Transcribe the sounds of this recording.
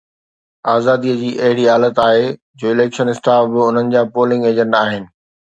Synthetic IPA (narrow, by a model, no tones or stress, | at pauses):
aːzaːd̪iəd͡ʑiːʔɐɦɪɽiaːlət̪aːɦe | d͡ʑoːɪleːkʃənɪsʈaːfbɪʊn̤ənɪ̆d͡ʑaːpoːlɪ̃ŋɡeːd͡ʑə̃ɳɖaːɦɪnɪ̆